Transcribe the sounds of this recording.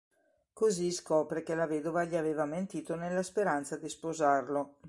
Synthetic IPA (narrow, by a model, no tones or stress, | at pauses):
koziskɔːpɾekelaveːd̪ovaʎiaveːvament̪iːt̪onelːaspeɾant̪sad̪ispozarlo